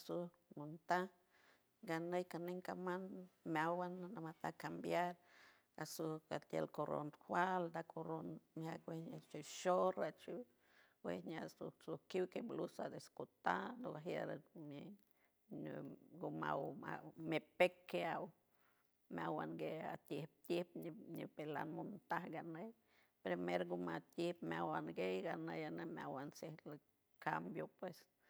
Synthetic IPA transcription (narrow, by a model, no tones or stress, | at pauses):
su | nunt̪a | ɡanejkaneŋkamanmeawanamat̪akambjaɾ | asuka̰t̪jḛlkoɾo̰nhwald̪akʰoɾonmakwehɲat͡ʃiʃoɾat͡ʃiw | wḛhɲasusukiwkeblusad̪eskut̪alokaɦja̰ɾame | ɡuma̰wa̰mepekːeaw | mjawanɡea̰t̪jihp̚t̪jihp̚ɲḭpela̰nmunt̪ahɡanej | pɾemeɾɡumat̪jihpmʲawanɡejɡanejanemʲawansehl | kambjopwes